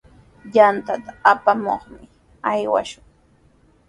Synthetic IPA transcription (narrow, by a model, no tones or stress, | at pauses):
jant̪at̪aapamo̰χmɪ | ajwa̰ʃʊŋ